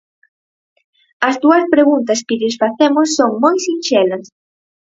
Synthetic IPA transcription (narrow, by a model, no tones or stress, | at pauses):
ɐzd̪uɐspɾeɣunt̪ɐskɪʎɪsfaθemʊsːoŋmojsinʃɛlɐs